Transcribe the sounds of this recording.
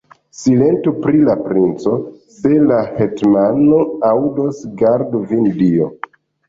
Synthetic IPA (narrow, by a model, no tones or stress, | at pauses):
sile̞ntupɾilapɾint͡so̞ | se̞lahetmano̞awdosɡaɾduvindio